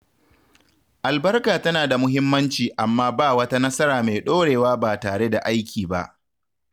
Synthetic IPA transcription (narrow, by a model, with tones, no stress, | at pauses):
ʔa˨lbɐ˦rkaː˨tɐ˦naː˨da˨mʊ˦ɦɪ˦mːɐ˦nt͡ʃiː˨ʔa˨mːaː˦baː˦˨wɐ˦ta˦nɐ˦sɐ˦ɾaː˨me˨jɗoː˦ɽeː˨waː˦baː˨taː˨ɽe˦da˨ʔa˦jkʲiː˨ba̰˦ʔ